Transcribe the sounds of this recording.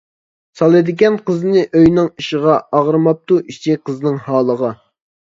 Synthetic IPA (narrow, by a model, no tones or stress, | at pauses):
sɑlˠɨd̪ɪɡʲɛnqəznɨʔøjnɨŋiʃəʁɑɑʁɾɨmɑp̚t̪uʔit͡ʃʰiqəznɨŋhɑːlˠəʁɑ